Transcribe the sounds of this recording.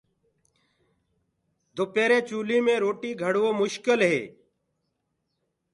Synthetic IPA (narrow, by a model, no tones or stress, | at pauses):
d̪ʱopeːɾẽːt͡ʃuːliːmẽːɾoːʈiːɡʱəɽʋoːmʊʃkɪlɦḛː